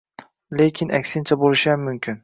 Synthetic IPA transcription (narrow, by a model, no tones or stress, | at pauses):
lekʲʰɪnʔakʲsɪnt͡ʃʰabolˠɪʃɪammːʊmkʲʰɪn